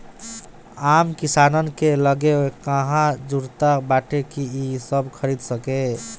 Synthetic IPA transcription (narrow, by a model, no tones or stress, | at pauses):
amkisanənkeləɡekəɦãd͡ʒuɾt̪abaʈekiisəbkʰəɾid̪səke